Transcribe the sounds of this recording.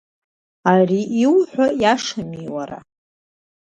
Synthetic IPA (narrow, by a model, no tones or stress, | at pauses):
ariʔːwħʷajaʂamiwaɾa̰